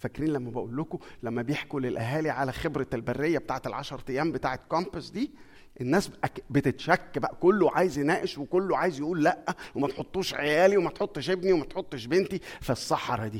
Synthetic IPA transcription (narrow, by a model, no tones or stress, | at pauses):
fækɾiːnlæmːæbeʔuːlːokolæmːæbejeħkulelʔæɦæːliʕalæxebɾælbærːejːæbet̪aːʕet̪elʕɑʃɑɾˤt̪ejːæːmbet̪aːʕet̪kɑmpæsd̪iː | ʔenːæːsbʔæbet̪et̪ʃækːbæʔækolːoʕaːjezjenæːʔeʃwekolːoʕaːjezjeʔuːlːæʔːæwemæt̪ħot̪ˤːuːʃʕejæːliwemæt̪ħot̪ˤːeʃʔebniwemæt̪ħot̪ˤːeʃbent̪ifæsˤːɑħɑɾˤɑd̪iː